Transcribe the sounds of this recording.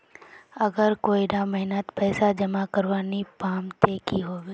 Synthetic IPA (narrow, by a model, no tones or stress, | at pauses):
ɐɡəɾkoːiɖaməɦɪnət̪pɛːsad͡ʒəmakəɾʋaːnipaːmt̪eːkiɦoːbeː